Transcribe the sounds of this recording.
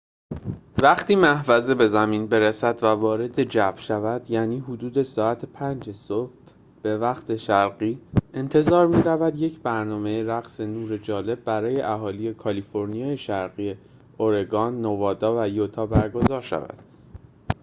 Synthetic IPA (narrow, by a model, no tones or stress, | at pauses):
væχt̪ʰiːmæhvæzebe̞zæmiːnbe̞ɾesæd̪vævɒːɾe̞d̪e̞d͡ʒæb̥ʃævæd̪jæːniːɦud̪uːd̪e̞sɒːæt̪ʰepʰænd͡ʒesohb | b̥e̞væχt̪ʰe̞ʃæɾɢiːe̞nt̪ʰe̞zɒːɾmiːɾævæd̪je̞cʰbæɾnɒːme̞jeɾæɣse̞nuːɾe̞d͡ʒɒːle̞b̚ːæɾɒːje̞ʔæɦɒːliːje̞kʰɒliːfo̞ɾnijɒːjeʃæɾɢije | oɾe̞ɡɒːnːovɒːd̪ɒːvæjot̪ʰɒːbæɾɡo̞zɒːɾʃæ̰væ̰d̪̥̚